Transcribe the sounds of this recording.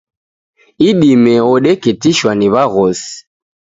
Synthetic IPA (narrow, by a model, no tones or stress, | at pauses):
iɗimɛɔɗɛkɛtiʃwaniβaɣɔsi̥